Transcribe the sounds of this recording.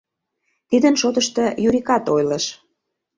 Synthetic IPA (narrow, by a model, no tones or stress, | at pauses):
t̪id̪ə̆nʃot̪ə̆ʃt̪ɤ̆juɾʲikɑt̪ojləʃ